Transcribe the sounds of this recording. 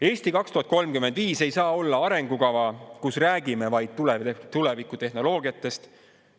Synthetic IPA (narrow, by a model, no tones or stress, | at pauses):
e̞ːst̪ikɑkst̪uhɑt̪̚ˑko̞lmkymːend̪viːse̞jsɑːo̞lːɑɑɾe̞ŋɡ̥ukɑvɑkusræːɡime̞vɑjd̪̥̚t̪ulet̪ule̞vikːˑut̪e̞hno̞lo̞ːɡiɑt̪ːˑe̞st̪